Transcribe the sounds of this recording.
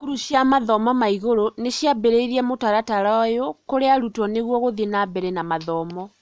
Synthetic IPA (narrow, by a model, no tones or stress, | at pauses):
kuɾuʃjamaðɔmɔmaiɣoɾoneʃjabɛɾɛiɾiamotaɾataɾɔjokoɾeaɾutɔneɣwɔɣoðenabɛɾɛnamaðɔmɔ